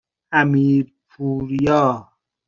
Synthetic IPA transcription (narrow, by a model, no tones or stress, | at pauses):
æmiːɾpʰuːɾjɔː